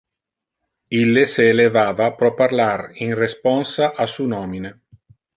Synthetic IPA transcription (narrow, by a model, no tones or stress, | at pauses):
ilːeseːlevaːvapɾɔparlarinrespɔnsaʔasunɔːmine